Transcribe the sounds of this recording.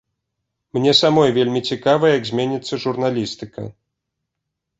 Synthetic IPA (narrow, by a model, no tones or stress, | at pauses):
mnʲɛsamɔjvʲelʲmʲit͡sʲikavɐjɛjɐɡzʲmʲenʲit̪sːɐʐurnalʲist̪ɨkɐ̰